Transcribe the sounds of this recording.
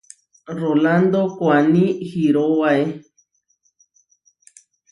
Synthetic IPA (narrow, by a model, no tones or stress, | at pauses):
roland̪okwanĩxiɾowae